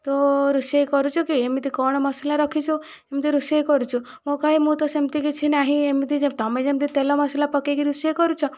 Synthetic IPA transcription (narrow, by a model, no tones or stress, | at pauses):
t̪ɔɾusejkɔɾut͡ʃʰɔkiemit̪ikɔɽ̃ɔmɔselaɾɔkʰit͡ʃʰu | emit̪iɾusekɔɾut͡ʃʰu | mokaɦimũt̪ɔsemt̪ikit͡ʃʰinaɦĩemit̪id͡ʒt̪ɔmed͡ʒemt̪̬it̪elɔmɔslapɔkekiɾusekɔɾut͡ʃʰɔ